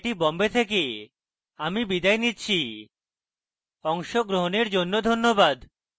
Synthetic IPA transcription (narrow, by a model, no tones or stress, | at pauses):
ʈibɔmbet̪ʰek̬e | amibid̪ajnitːt͡ɕʰi | ɔŋʃoɡɾoɦoneɾd͡ʑonːod̪ʱonːobad̪